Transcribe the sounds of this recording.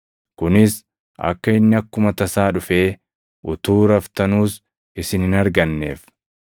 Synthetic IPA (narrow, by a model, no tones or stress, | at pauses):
kʊnɪs | ʔɐ̰kːɐɪnːɪɐkːʊmɐt̪ɐsaːᶑʊfe̞ː | ʊt̪uːɾɐft̪ɐnuːs | ɪsɪnɪnɐɾɡɐnːe̞̰ːf